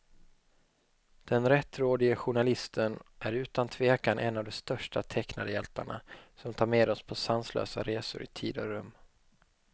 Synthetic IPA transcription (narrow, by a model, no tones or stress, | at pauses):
d̪̥ɛnɾɛt̪ːɾoːd̪ɪɡəɧʊɳalɪst̪ʰənʔæɾʉ̟ːt̪ant̪ʰveːkanʔɛnːavd̪ɔst̪œʂʈat̪ʰɛknad̪əjɛlt̪aɳa̰sɔmt̪ʰɑːɾmeːd̪ɔspʰɔsanslø̰ːsa̰ɾeːsʊ̰ɾɪ̰t̪ʰiːd̪ɔɾɵmː